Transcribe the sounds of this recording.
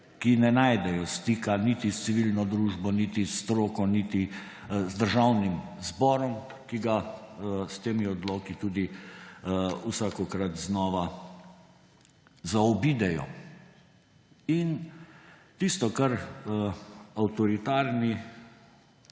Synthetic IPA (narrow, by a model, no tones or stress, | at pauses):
kinɛnajd̪ɛjɔst̪iːkanit̪ist̪siʋilnɔd̪ɾuːʒbɔnit̪ist̪ɾoːkɔnit̪i | zd̪əɾʒawnimzbɔːɾɔm | kiɡa | st̪eːmiɔd̪lɔːkit̪uːd̪i | usakɔkɾat̪znɔːʋa | zaɔbiːd̪ɛjɔ̰ | in | t̪ist̪ɔkaɾ | awt̪ɔɾit̪aːɾni